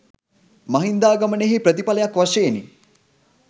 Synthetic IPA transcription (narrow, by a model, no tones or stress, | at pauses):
maɦind̪aːɡaməneɦipɾət̪ipaləjakʋaʂeːnḭ